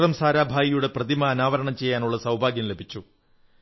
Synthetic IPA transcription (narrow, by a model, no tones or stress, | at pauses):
rɐmsaːɾaːbʱaːjijuɽe̞prɐðimɐɐnaːʋɐɾɐɳɐmt͡ɕe̞jːaːnuɭːɐsɐwbʱaːɡjɐmlebʱit͡ɕːu